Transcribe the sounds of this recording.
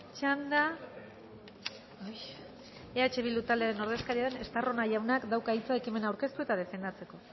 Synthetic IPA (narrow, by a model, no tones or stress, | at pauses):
t͡ʃand̪a | e̞at͡ʃe̞βilut̪ald̪eaɾe̞no̞ɾðe̞skaɾiaðe̞ne̞st̪aro̞naʝawnakd̪awkait͡sae̞kime̞nawɾke̞st̪ue̞t̪að̞e̞fe̞nd̪at͡se̞ko̞